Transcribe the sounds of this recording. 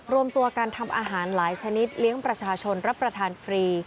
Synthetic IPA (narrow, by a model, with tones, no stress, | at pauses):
ɾu˧əmt̪u˧ɐkaː˧nt̪ʰa˧mʔaː˧ɦaː˩˦nlaː˩˦jt͡ɕʰa˧ni˦˥t̪̚li˦˥əŋpɾa˧t͡ɕʰaː˧t͡ɕʰo˧nɾa˦˥pːɾa˧t̪ʰaː˧nfɾiː˧